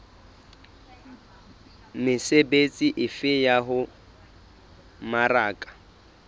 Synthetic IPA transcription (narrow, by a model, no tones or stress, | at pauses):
mɪsebet͡sʼiʔɪfɪjaɦʊ | maraːkʼḁ